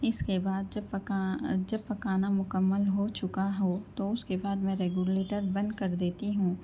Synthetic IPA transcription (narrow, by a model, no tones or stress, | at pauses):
ɪskebaːd̪d͡ʒɐbpad͡ʒɐbpɐkaːnamʊkəmːəlɦot͡ʃʊkaɦot̪oʊskebaːd̪mɛ̃ɾeːɡjuleːʈəɾbɐ̃nd̪̚kɐɾd̪eːt̪iɦũː